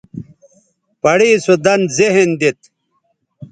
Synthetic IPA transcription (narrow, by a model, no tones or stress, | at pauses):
pɐɽiːsud̪ɐnzeɦend̪it̪